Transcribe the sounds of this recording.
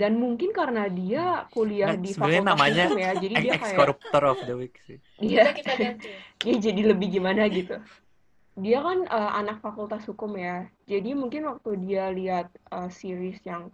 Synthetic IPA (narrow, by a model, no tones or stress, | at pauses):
danmuŋkɪnkaɾənadiakuliahdifanamaɲamjad͡ʒadidiakajaɔɾup̚t̪ɔɾɔfdəwɪksɪ | dia | diad͡ʒadiləbɪhɡimanaɡit̪u | diakanəʔa̰nak̚fakult̪ashukʊmjad͡ʒadimuŋkɪnwak̚t̪udialiɦat̪̚əsiɾɪsjaŋ